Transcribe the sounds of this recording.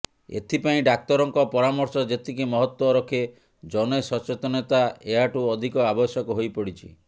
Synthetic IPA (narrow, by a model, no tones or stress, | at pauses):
ḛt̪ʰipaĩɖak̚t̪ɔɾɔŋkɔpɔɾamɔɾsɔd͡ʒet̪ʰikimɔɦɔt̪wɔɾɔkʰe | d͡ʒɔnesɔt͡ʃet̪ɔnet̪aeɦaʈuɔd̪ʱikɔabɔsjɔkɔɦojpɔɽit͡ʃʰḭ